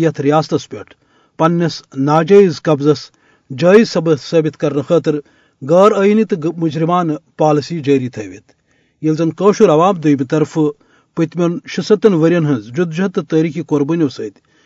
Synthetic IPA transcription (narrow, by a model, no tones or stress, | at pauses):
jɐt̪ʰɾijaːst̪ɐspʲeʈʰ | pɐnːɐsnaːd͡ʒɐjizkɐbzɐs | d͡ʒaːizsɐbɨsɐːbit̪kɐɾnɨxɐːt̪ɨɾ | ɡɐːɾɐjnit̪ɨmud͡ʒɾimaːnpaːlɐsiːd͡ʒəːɾiːt̪ʰɐːʋḭt̪ | jɐlzɐnkəːʃuɾɐʋaːmd̪ujmʲit̪ɐɾfɨ | pɨt̪mʲɐnʃɨsɐt̪ɐnʋɐɾʲjɐnɦɐnzd͡ʒud̪d͡ʒɐɐt̪ɨt̪ɐːɾikikoɾbɨnʲɐʋsɐːd̪ʲ